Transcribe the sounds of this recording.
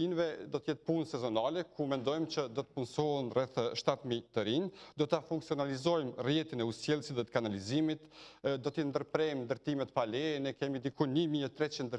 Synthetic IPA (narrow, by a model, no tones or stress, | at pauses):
invɛd̪ɔt̪əjɛt̪̚punsɛzɔnalɛkʰumɛnd̪ɔjmt͡ɕəd̪ɔt̪ə̥punsɔənrɛθʃt̪at̪mit̪əɾind̪ɔt̪afuŋksiɔnalizɔjmrjɛt̪inɛusjɛlˠsit̪ðɛkanalizimit̪d̪ɔt̪əjɛnd̪əɾpɾɛjmnd̪əɾt̪imɛt̪palɛnɛkɛmid̪ikunimiɛt̪ɾɛt͡ʃind̪ə